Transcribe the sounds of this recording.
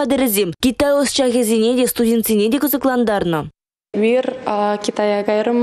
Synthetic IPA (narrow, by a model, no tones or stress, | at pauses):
ɑd̪ɪɾɪzemkʲit̪ɑjosʃɑkʲezʲinʲed̪est̪udʲent̪sined̪ekʰʲʊzɪklˠɑnd̪ɑɾnə | mirkʲit̪ajɑɡɑjɾəm